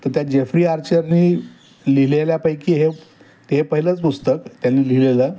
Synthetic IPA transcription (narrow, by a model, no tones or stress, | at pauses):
t̪əɾt̪jad͡ʑefɾiːaɾt͡ɕəɾniː | lileljapajkiːɦe | t̪eɦepəɦilət͡spust̪əkt̪janːiːlilelə